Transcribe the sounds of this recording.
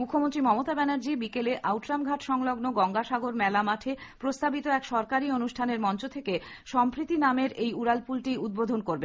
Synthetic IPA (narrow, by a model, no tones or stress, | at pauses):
mukʰːomont̪ɾimɔmot̪abɛnaɾd͡ʑibikeleʔawʈɾamɡʱaʈʃɔŋloɡnoɡɔŋɡaʃaɡoɾmɛlamaʈʰepɾost̪abit̪oɛkʃɔɾkaɾionuʃʈʰaneɾmɔnt͡ɕot̪ʰeke | ʃɔmpɾit̪ːinameɾejuɾalpulʈiud̪̚bod̪ʱonkoɾben